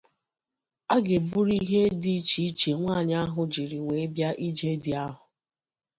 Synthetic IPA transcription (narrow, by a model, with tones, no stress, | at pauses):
a˦ɡɪ˨bu˦ɾi˦ɦe˦di˦t͡ʃi˦t͡ʃe˨ŋʷaː˦˨ɲa˦ɦʊ˨d͡ʒi˨ɾi˨we˨˦bja˦ʔi˦d͡ʒe˦dɪ˨a˦ɦʊ˨